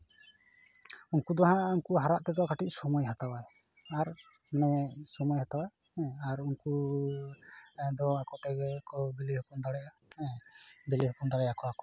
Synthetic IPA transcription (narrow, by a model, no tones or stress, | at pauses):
unkud̪ɔɦãunkuɦaɾaʔt̪ɛd̪ɔwakaʈic̚ˀsɔmɔjɦat̪awaj | aɾ | manɛsɔmɔjhat̪awa | aɾunku | d̪ɔakɔt̪ɛɛkɔbɛlihɔkɔnd̪aɽɛja | ɛbɛliɦɔkɔmd̪aɽɛjakɔakɔ